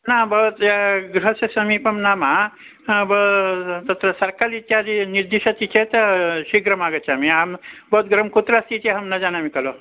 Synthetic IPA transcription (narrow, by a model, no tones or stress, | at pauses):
naːbɐɦut̪eɡɾuɦɐsɐsɐmiːpɐmnaːma | bɐt̪ɐt̪ɾɐsɐɾkalit̪jad͡ʒiniɾd̪iʃɐt̪it͡ʃʰet̪ɐʃiɡɾɐmaːɡɐt͡ʃamiambɐut̪ɡɾɐmkut̪ɾast̪it͡ʃeɦɐmnɐd͡ʒaːnamikɐlo